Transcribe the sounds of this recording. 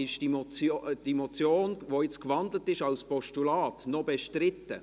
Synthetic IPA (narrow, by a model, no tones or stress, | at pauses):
ɪʃdimɔt͡sːd̥imot͡sjoːnʋojɪt͡skʋɑndlətɪʃɑlspɔʃtulɑːtnɔbeʃtɾɪtːə